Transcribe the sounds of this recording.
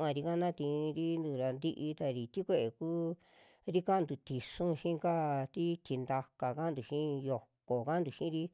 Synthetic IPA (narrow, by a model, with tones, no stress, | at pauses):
ã˧ɾi˧ka˦nã˦t̪ĩ˧ɾi˦nd̪u˧˨ɾa˧nd̪i˧ʔi˧t̪a˧ɾi˨t̪i˦kʷe˦˧ʔe˨kuː˦ | ɾi˦ka˦˧nd̪u˨t̪i˨ʂũ˦ʃĩ˦˧ka˦t̪i˦t̪i˧nd̪a˧ka˨ka˦nd̪u˨ʃĩ˦jo˨ko˨ka˦nd̪u˨ʃĩ˦ɾi˦